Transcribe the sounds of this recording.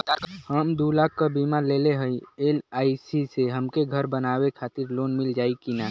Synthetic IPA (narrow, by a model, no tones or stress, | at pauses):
həmd̪ulaːk̚ʰːabimaɾleːleɦəieːlaːisiseɦəmkeɡʱəɾbənaːwekʰaːt̪ɪɾloːnmɪld͡ʒaːikinaː